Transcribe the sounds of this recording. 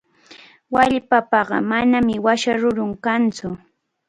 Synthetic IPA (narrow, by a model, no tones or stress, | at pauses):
waʎpapɑɢɑ̰manamɪwaʃaɾʊɾʊŋkant͡sʊ